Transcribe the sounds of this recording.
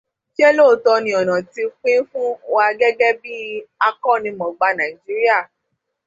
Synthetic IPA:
ʃe˦loː˦˨tɔ˧nĩ˧ɔ˨nã˨ti˧k͡pĩ˦fũ˦wa˧ɡɛ˦ɡɛ˦bi˦a˧kɔ˦˨nĩ˧mɔ̃˨ɡ͡ba˧nã˨i˨d͡ʒi˨˦ɾi˦a˦˨

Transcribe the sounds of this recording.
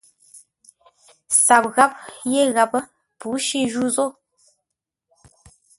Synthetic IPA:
sa˨p̚ɣa˦p̚je˦˨ɣa˨p | pu˨˦ʃi˦˨ʒu˦zo˦˨

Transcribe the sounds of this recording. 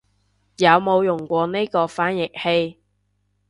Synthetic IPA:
jɐ˨˧wmo˨˧wjʊ˨˩ŋkʷɔː˧ne˥jkɔː˧faː˨˥njɪ˨k̚he˧j

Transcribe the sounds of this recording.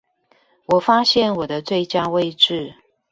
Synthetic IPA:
wɔ˨˩fa˥ɕjɛ˥˨nwɔ˨˩d̪ə˦t͡swe˥˩ɪt͡ɕja˥we˥˧ɪʈ͡ʂɻ̩˥˨

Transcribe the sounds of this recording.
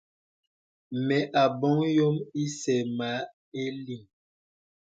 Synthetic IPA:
mɛ˨ʔa˨bɔ˦ŋjo˦mi˦sɛ˨ma˨˦ | e˦li˨ŋ

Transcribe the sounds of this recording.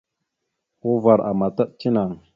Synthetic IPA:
ko˦va˨ɾʔa̰˨ma˨ta˦ɗt͡ʃi˦na˨ŋ

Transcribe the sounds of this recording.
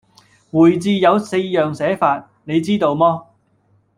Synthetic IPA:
wuː˨˩jt͡siː˨jɐ˨˧wse˧jjœː˨ŋsɛː˨˥faː˧t̚ | ne˨˧jt͡siː˥t̪o˧wmɔː˥

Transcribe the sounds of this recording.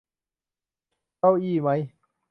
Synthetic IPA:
a˥˧wʔiː˧˩˨ma˦˥j

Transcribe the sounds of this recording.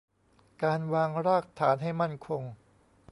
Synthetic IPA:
kaː˧nwaː˧ŋɾaː˥˩k̚t̪ʰaː˩˦nɦa˥˩jma˥˩nkʰo˧ŋ

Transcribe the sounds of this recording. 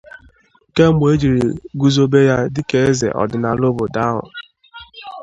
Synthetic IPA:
ke˦mʷ˨e˦d͡ʒi˨ɾi˨ɡu˦zo˦be˦ja˦dɪ˦ke˦e˦zḛ˨ʔɔ̰˨dʊ˨na˨lʊ˦bʊ˨da˦ɦʊ̰˨

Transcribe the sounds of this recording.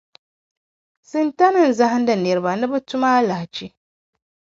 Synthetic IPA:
sɨ˨nta˦nɨ˨n˨za˦ha˦n˦da˨nɛ˨ɾɨ˨ba˨nɨ˦bɐ˦tʊ˦maː˦la˨ht͡ʃi˦

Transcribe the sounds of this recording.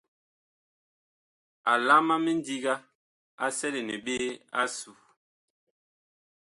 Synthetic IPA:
a˨la˦ma˦mɛ˦n˦di˦ɡa˦ | a˦sɛ˦le˨nɛ˨ɓe˦a˦su˨

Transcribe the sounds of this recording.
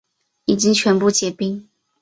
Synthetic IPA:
i˨˩t͡ɕi˥ŋt͡ɕʰɥɛ˧˥npu˥˩t͡ɕjɛ˨˥˩pi˥ŋ

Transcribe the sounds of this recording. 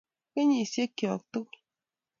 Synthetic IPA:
ke˦ɲi˨se˦kjɔ˨k̚t̪u˦k

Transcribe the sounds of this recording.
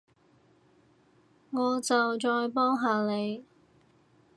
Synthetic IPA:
ŋɔː˨˧t͡sɐ˨wt͡ʃɔː˧jpɔː˥ŋɦaː˨˧le˨˧j

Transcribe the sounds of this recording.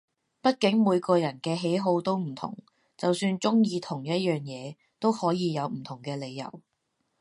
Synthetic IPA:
pɐ˥t̚kɪ˨˥ŋmuː˨˧jkɔː˧jɐ˨˩nkɛː˧ɦe˨˥jɦo˨˥wt̪o˥wm̩˨˩t̪ʰʊ̰˨˩ŋ | t͡sɐ˨wsyː˧nt͡sʊ˥ŋjiː˨˧t̪ʰʊ˨˩ŋjɐ˥t̚jœː˨ŋjɛː˨˧ | t̪o˥whɔː˨˥jiː˨˧jɐ˨˧wm̩˨˩t̪ʰʊ˨˩ŋkɛː˧le˨˧jjɐ̰˨˩w

